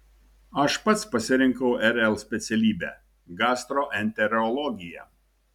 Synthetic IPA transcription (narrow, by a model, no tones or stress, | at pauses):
ɐʃpɐt̪spɐsʲɪɾʲɪŋkɐʊʔɛɾɛlˠsʲpʲɛt̪sʲɛlʲiːbʲɛ̰ː | ɡɑːst̪ɾoːʔɛnʲt̪ʲɛɾɔlˠɔɡʲɪjɛ̰